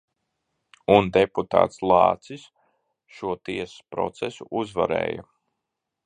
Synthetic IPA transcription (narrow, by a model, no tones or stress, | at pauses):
und̪eput̪a̰ːt̪slˠɑːt̪sis | ʃuɔt̪iɛsspɾɔ̰t̪sɛsuʔuzvaɾɛ̰ːja̰